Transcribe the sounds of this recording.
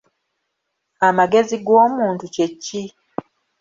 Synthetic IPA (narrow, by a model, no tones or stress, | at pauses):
amaɡe̞ziɡoːmuːntucecːi